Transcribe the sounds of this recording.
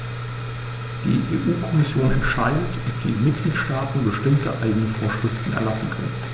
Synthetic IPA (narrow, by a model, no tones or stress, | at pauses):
d̥ḭːʔḛːʔuːkʰɔmɪsjoːnɛntʃaɪdətɔp̚d̥ḭːmɪt̚ɡ̥liːtʃtaːtn̩bəʃtɪmtə̰ʔaɪɡənəfoːɐʃʁ̥ɪftn̩ɛ̰ɐlasn̩kʰœ̰nən